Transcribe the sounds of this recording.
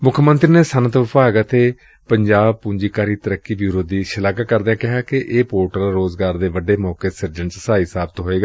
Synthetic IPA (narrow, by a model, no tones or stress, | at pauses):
mʊkʰmənt̪ɾiːneːsənət̪ʋəpaːɡət̪eː | pəɲd͡ʒaːb̚puɲd͡ʒiːkaːɾiːt̪əɾəkːiːbiːɾoːd̪iːʃəlaːkakəɾd̪ãːkɪɦaːkɪʔeːpoːɾʈəlɾoːzɡaːɾd̪eːʋəɖeːmɔːkeːsəɾd͡ʒəɳt͡ʃsaːiːsaːbət̪ɦoːeːɡaː